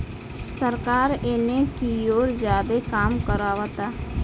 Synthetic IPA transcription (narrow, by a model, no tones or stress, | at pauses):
səɾkaːɾeːnekioːɾd͡ʒaːd̪ekaːmkəɾaːʋat̪a